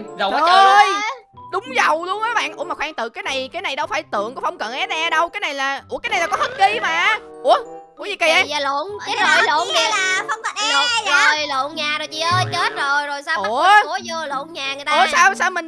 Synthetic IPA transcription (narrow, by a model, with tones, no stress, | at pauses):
zə˨˧jɗʊ˨˦ŋ͡mzə˨˩wlu˧əŋʔəː˨˦ɓa̰ː˧˨nʔu˧˩əmaː˨˩waː˧ŋt̪ɨ̰˨kaː˨˦jna˨˩jkaː˨˦jna˨˩jɗə˨˦wfaː˧˩jt̪ɨ̰˧˨əŋkɔ˨˦fɔ˧wŋ͡mkə̰˧˨˩nʔɛ˨˦ɲɛ˧ɗə˧wkaː˨˦jna˨˩jlaː˨˩ʔu˧˥˩kːjna˨˩jlːkɔ˨˦həː˦˥t̚ki˧˦maː˨˩ʔu˧˦əʔu˧˥əɲi˨˩ki˨˩ʔa˨˧˦a˨˧lo̰˧˩n˧˨˦ə˨˧˨lo˧˨n˨a˧ə˧˦ŋ͡mzə˨˩jlə˧˨nɲaː˨˩o˨˩jt͡ɕḭ˧˩ʔəː˧t͡ɕə˦˥t̚zo˨˩jzo˨˩jsaː˧˩əo˧˦ə˧lo̰˧˨nɲaː˨˩ŋɨ˨˩˨jt̪au˧˦əsaː˧wsaː˧wmï˨˩ŋ